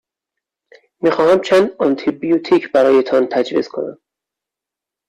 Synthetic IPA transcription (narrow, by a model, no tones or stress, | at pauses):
miːxɒːhæmt͡ʃʰæːnd̪ɒnt̪ʰibijut̪ʰicʰbæɾɒːje̞t̪ʰɒnt̪ʰæd͡ʒvḭz̥kʰo̞̰næ̰m